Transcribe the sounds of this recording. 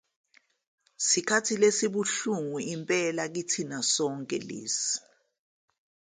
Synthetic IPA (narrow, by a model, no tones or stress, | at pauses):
sikʰatʰilesiɓuɬuŋuimpʼɛlak̬itʰinasɔŋkʼɛ̰lḛːsi̥